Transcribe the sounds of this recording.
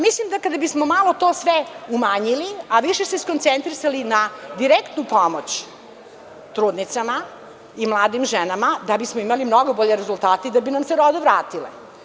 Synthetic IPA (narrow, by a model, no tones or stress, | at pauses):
mislimd̪akad̪abismomalˠo̞t̪o̞sʋeumaːɲiliaʋiʃeseisko̞nt̪sent̪ɾisalinad̪iɾekt̪nupomot͡ɕ | t̪ɾuːd̪nit̪sama | imlˠaːd̪imʒenamad̪abismoimalimno̞ɡo̞bo̞ʎeɾezult̪aːt̪eid̪abinamseɾod̪eʋɾaːt̪ilḛ